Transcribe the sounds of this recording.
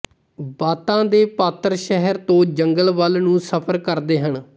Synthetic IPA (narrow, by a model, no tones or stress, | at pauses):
baːt̪ãːd̪eːpaːt̪əɾʃɛɦəɾt̪õːd͡ʒəŋɡəlʋəlnũːsəpʰəɾkəɾd̪eːɦəɳ